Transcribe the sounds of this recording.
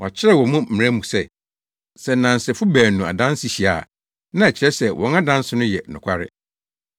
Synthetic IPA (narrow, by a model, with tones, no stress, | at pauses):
wɔ˨a˨t͡ɕʰɪ˦ɾɛ˦wɔ˨mũ˦m̩˨mɪ˨ɾæ̃˦mũ˨sɛ˦˨ | sɛ˨nã˨n˨sɪ˨fʊ˦bæː˨nːũ˨a̰˨dã˦nsɪ˨ɕi˨a˨ | nã˦ɛ˨t͡ɕʰɪ˨ɾɛ˦sɛ˨wʔɔ̃˨ŋa˦dã˦n˦sɪ˦nʊ̃˦jɛ˨nʊ̃˨kʷʰa˦ɾɪ̰˦